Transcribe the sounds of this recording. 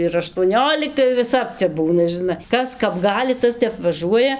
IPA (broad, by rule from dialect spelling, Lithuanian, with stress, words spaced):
ɪr ɐʃtuɔˈnʲoːlʲɪkɐ ɪr ʋʲɪˈsɐp ˈt͡sʲɛ ˈbuːnɐ ʒʲɪˈnɐ ˈkɐs ˈkɐp ˈɡɑːlʲɪ ˈtɐs ˈtʲɛp ʋɐˈʒuɔjɛ